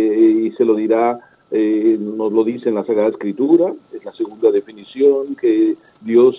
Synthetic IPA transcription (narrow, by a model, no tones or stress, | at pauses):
ise̞lo̞ðiɾa | eno̞zlo̞ðisenlasaɣɾaðaeskɾit̪uɾaezlase̞ɣund̪aðe̞finisjo̞ŋke | d̪jo̞s